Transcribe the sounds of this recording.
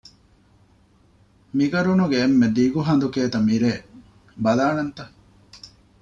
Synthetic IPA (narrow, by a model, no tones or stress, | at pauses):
miɡɐɾunuɡeːmːed̪iɡuɦɐnd̪ukeːt̪ɐmiɾeː | bɐlaːnɐnt̪ɐ